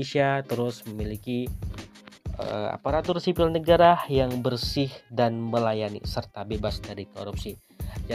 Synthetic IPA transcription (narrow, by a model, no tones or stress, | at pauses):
esiat̪əɾʊsməmiliki | ə̰a̰paɾat̪ʊrsipɪlnəɡaɾajaŋbərsɪhdanməlajanḭsərt̪abebasdaɾiko̰ɾup̚si | d͡ʒa